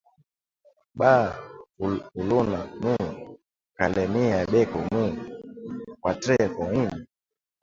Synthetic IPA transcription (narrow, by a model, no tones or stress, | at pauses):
ɓa | ulunamulu | kalɛmiaɓɛkɔmuukwatɾɛkɔini